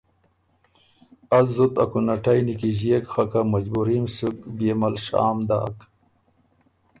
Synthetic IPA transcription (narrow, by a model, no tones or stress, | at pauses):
ɐzut̪ɐkunɐʈʰajnikiʑiekxɐkamɐd͡ʑbuɾimsukbeːmɐlɕa̰ːmd̪a̰ːk